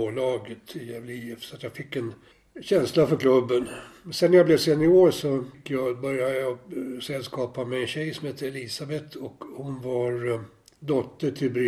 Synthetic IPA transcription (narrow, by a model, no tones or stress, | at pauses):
oːlɑːɡət̪ʰɪjɛvliɛfsɔat̪jɑfɪkːɛn | ɕɛnslafœɾkʰlɵbːənmsɛnːæɾjablɛvseːd̪nɪoːɾʂɔkːjɑbœɾjad̪əjɑsɛlskɑːpamɛɛnɕɛjsɔmheːt̪əɛliːsabɛt̪ʰɔkhʊnvaɾ | d̪ɔt̪ːəʈʰɪlbɾɪ